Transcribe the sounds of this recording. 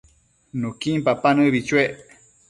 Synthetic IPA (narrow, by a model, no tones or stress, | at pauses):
nukimpapanɨβit͡ʃweʔ